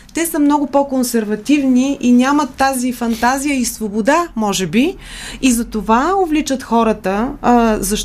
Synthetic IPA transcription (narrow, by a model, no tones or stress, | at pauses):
t̪ɛsəmnɔɡʊpɔkonsɛɾvɐt̪ivniʔinʲamət̪ːazifɐnt̪azijəisvobod̪amɔʒɛbi | izɐt̪ovaovlit͡ʃət̪xɔɾət̪əzɐʃ